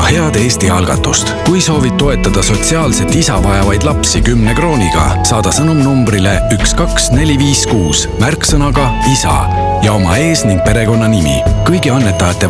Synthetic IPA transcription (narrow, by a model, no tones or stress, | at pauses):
he̞ɑd̪̥e̞ːsʲt̪iɑlɡ̥ɑ̰t̪ːˑust̪kujso̞ːvit̚t̪ːo̞e̞t̪ːˑɑd̪̥ɑso̞t̪ʲsiɑːlse̞t̪ːˑisɑvɑjɑvɑjd̪̥lɑpsikymne̞kro̞ːniɡ̥ɑ̰sɑːd̪̥ɑsɤnumnumbrile̞ykskɑksne̞lʲiviːskuːs | mærksɤnɑɡ̥ɑ | isɑ̰ | jɑo̞mɑe̞ːsniŋɡ̥̚pe̞ɾe̞ko̞nːɑnimḭkɤjɡiɑnːe̞t̪ːˑɑjɑt̪ːˑe̞